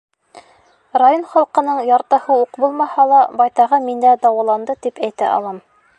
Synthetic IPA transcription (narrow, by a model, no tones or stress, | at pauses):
rajonχɑlˠqɤ̆nɤɴjɑɾt̪ɤ̆hɤuqbulˠmɑhɑlˠɑbɑjt̪ɑʁɤmind̪æd̪ɑwɑlˠɑnd̪ɤt̪ipæjt̪æ̰ʔɑ̰lˠɑm